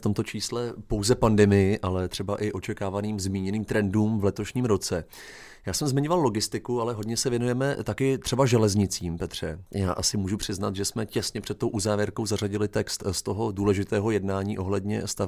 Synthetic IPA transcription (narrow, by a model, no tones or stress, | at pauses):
ft̪o̞mt̪o̞t͡ʃiːslɛpo̞wzɛpandɛmɪjɪʔalɛt̪r̝̥ɛbaʔɪʔo̞t͡ʃɛkaːvaniːmzmiːɲɛniːmt̪ɾɛnduːmvlɛt̪o̞ʃɲiːmɾo̞t͡sɛ | jaːsɛmzmɪɲo̞vallo̞ɡɪst̪ɪkualɛɦo̞dɲɛsɛvjɛnujɛmɛt̪akɪt̪r̝̥ɛbaʒɛlɛzɲɪt͡siːmpɛt̪r̝̥ɛja̰ːʔasɪmuːʒupr̝̥ɪznat̪ʒɛsmɛcɛsɲɛpr̝̥ɛt̪̚t̪o̞wʔuzaːvjɛɾkowzaraɟɪlɪt̪ɛkst̪st̪o̞ɦo̞duːlɛʒɪt̪ɛːɦo̞jɛdnaːɲiːʔo̞ɦlɛdɲɛ̰st̪av